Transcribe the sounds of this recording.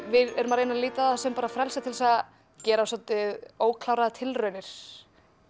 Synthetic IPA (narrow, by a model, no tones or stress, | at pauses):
vɪðɛɾʏmaɾejnaliːt̪aasɛmpaːɾafɾɛlsat̪ʰɪlsa | cɛːɾasɔt̪ɪðoːwkʰlawɾaðt̪ʰɪlrœɥnɪɾ̥